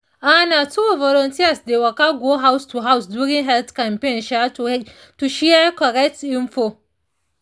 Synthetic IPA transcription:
ʔanatuvɔlɔntiasdewakaɡoɦawstuɦawsduɽɪ̃ŋɦɛltkampenʃɛ | tuʃiakɔɾɛk̚tʔɪnfo

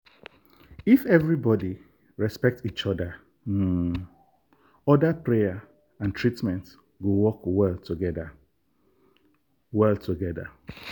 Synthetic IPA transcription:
ifɛvɹibɔdi | ɹɛspɛk̚tit͡ʃɔdə | ɔdapɹeja | ãntʰɹitmɛ̃nt | ɡowɔkwɛltʰuɡɛdə | wɛlˠtʰuɡɛdə̰

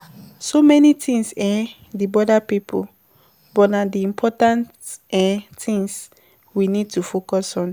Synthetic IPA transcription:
somɛnitʰĩŋsa | dibɔdapipʰṵ | bɔnadiĩmpʰɔtãntɛtʰĩŋs | winid̚tufokɔsɔ̃n

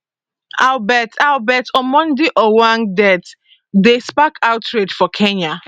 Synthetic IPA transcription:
albɛtalbɛtʰɔmɔ̃ndiʔɔwãŋdɛt | despakʰawtɹedfɔkʰeɲa

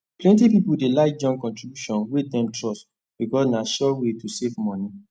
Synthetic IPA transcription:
plɛ̃ntipipudelaɪd͡ʒɔ̃ŋkɔ̃ntɹibjuʃɔ̃nwedɛ̃mtɹɔst | b̥ikɔsnaʃɔwetusevmɔ̃ni

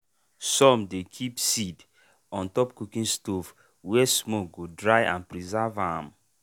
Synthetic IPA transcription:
sɔ̃mdekʰipsid | ɔ̃ntɔpkukĩnstof | wɛsmok̚ɡodɹajʔã̰npɹizavãm

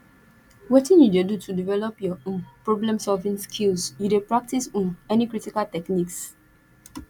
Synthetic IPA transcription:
wetĩnjudedutʰudivɛlɔpjɔɔ̃pɹoblɛ̃msɔlvĩnskʰilsjudepɹak̚tisɔ̃nɛnikɹitikaltɛkniks

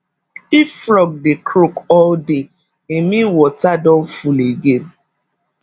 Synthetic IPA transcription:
ifɾɔɡ̚dekʰɾokɔlde | emĩwɔtadɔ̃n̩fuleɡen

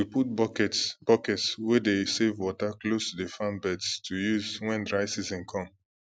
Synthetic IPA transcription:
wiput̚bɔkɛtb̥ɔkɛtswɛdesevwɔtaklostudefãnbɛdstʰujuzwɛ̃ndɹaɪsizɛ̃nkʰɔ̃m

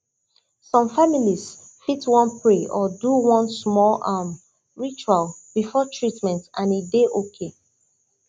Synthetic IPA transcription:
sɔ̃mfamilis | fitwɔ̃npʰɹeɔduwɔ̃nsmɔlam | ɹit͡ʃualb̥ifɔtʰɹitmɛ̃ntãnideʔokʰe

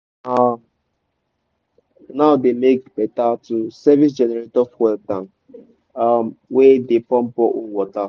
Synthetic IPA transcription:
a | naʊdemek̚bɛtatusɛvis̬d͡ʒɛnɛɾetɔfwɛltãn | mwedepɔm̩pɔʔuwɔta

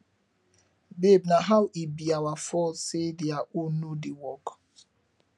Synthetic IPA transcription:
bebnaɦawibiawafɔsedeaʔonːodiwɔk

